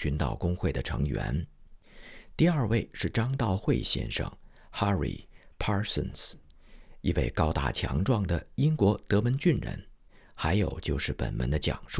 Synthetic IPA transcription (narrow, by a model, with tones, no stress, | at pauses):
y˧˥nt̪ɑ˨˩ʊkʊ˥ŋxwe˥˩ɪd̪ə˩ʈ͡ʂʰɤ˧˥ŋɥɛ̰˧˥n | t̪i˥˧a˞˥˧we˥˧ɪʂɻ̩˥˩ʈ͡ʂɑ˥ŋt̪ɑ˥˧ʊxwe˥˧ɪɕjɛ̰˥˧nʂə̰˨˩ŋ | xa˥ɹḭ˨˩pʰɑ˥sə̰˥˩ns̩˥ | i˥˧wḛ˥˩ɪkɑ˥ʊt̪a̰˥˩t͡ɕʰjɑ̰˧˥ŋʈ͡ʂwɑ˥˩ŋd̪ə˩i˥ŋkwɔ˧˥t̪ɤ˧˥mə˧˥nt͡ɕy˥˩nɻə̰˧˥n | xa˧˥ɪjo˨˩ʊt͡ɕjo˥˧ʊʂɻ̩˥˩pə̰˨˩nmə̰˧˥nd̪ə˧t͡ɕjɑ̰˨˩ŋʂu˥˩